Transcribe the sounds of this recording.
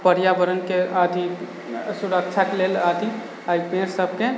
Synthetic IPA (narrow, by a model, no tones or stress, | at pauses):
pəɾjabəɾənkead̪ʱi | suɾək̚t͡ʃʰakelelad̪ʱi | aipẽɾsəbʱke